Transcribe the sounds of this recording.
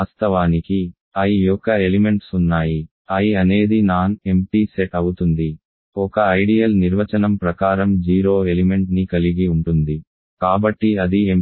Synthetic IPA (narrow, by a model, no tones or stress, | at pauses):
aːst̪ʰɐʋaːniki | ɐjijɔkːɐelime̞ɳʈsunːaːji | ɐjiɐne̞ːd̪inaːne̞mpiːseʈɐwut̪und̪i | ɔkɐɐjɖijɐlniɾʋɐt͡ʃɐnɐmpɾɐkaːɾɐmd͡ʒiːɾoːe̞lime̞ɳʈnikɐliɡiuɳʈund̪i | kaːbɐʈːiɐd̪iem